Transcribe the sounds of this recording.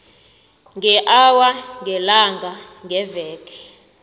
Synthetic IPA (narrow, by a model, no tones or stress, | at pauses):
ŋɛʔawaŋɡɛlaŋɡʱaŋɡɛvɛːkʼɛ̥